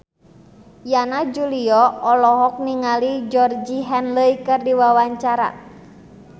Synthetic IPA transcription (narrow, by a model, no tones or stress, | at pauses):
janad͡ʒuliɔɔlɔɦɔk̚niŋalid͡ʒɔrd͡ʒiɦɛnləikɨrdiwawaɲt͡ʃaɾa̰